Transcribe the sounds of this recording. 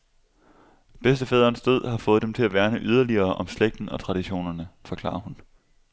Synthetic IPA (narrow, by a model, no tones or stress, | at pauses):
b̥esd̥əfɛːð̞ˠʁɐːnsd̥øð̰ˠhɑ̈fɔ̽ːð̞̩ˠd̥emt͡sʰe̝læʋæɐnəʔyð̞ˠɐliɐːʔɒ̽msleɡ̥̚d̥n̩ɒ̽t͡sʰʁɑ̈ɾ̥iɕo̝̰ːnɐnəfɒ̽kʰl̥ɑ̰̈ːɐhun